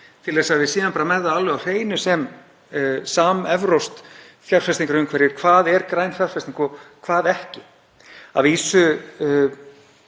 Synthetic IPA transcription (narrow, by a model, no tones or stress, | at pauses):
t̪ʰɪlɛsaðvɪsiːðanpaɾamɛɾðaalvɛawr̥eːjnʏsɛm | saːmɛvɾowst̪ | θjar̥fɛst̪iŋkaɾʏmkʰvɛɾjɪɾ̥kʰvaːðɛɾkɾaːjnfjar̥fɛst̪ĩŋkɔkʰvaːðɛhcɪ | a̰viːsʏ